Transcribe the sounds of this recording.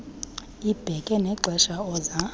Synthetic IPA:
ib̥ʱɛkʼɛnɛǃʱwɛʃaɔːza

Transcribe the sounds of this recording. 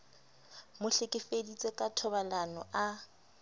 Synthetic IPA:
mʊɬɪkʼɪfedit͡sʼekʼatʰɔbalanɔ̰ʔa

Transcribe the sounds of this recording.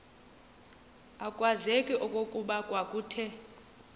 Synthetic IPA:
akʼwazekʼiʔɔkʼokʼuɓakʼwakʼuːtʰɛ

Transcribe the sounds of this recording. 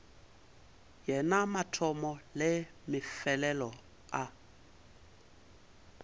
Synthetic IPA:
jɛnamatʰɔmɔlɪmɪfɛlɛlɔ | a

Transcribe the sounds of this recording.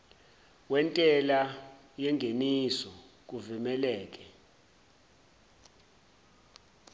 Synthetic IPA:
wɛntʼɛla | jɛŋɡʱenisɔ | k̬ʼuvimɛlɛːk̬ʼɛ

